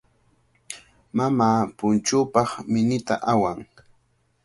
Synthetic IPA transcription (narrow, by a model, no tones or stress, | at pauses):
mamaːpʊnt͡ʃʊːpɑχmɪnɪt̪a̰ʔawaŋ